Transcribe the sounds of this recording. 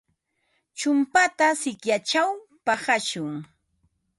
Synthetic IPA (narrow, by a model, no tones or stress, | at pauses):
t͡ʃʊmpat̪asɪkjat͡ʃawpahaʃʊŋ